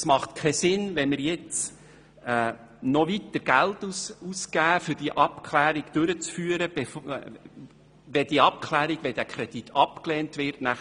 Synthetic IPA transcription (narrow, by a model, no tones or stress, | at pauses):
smɑχtkʰɛsɪnʋɛnməɾjɪt͡sː | nɔʋitːəɾɡ̥æltususkæːfʏɾd̥iʔɑpkʰlæːɾiɡ̥d̥ʏɾət͡sfyːəɾəb̥e | ʋɛd̥iəɑp̚kʰlæːɾiɡ̥ʋɛd̥ækʰɾɛd̥itʰɑpkleːntʋɪɾtnæχ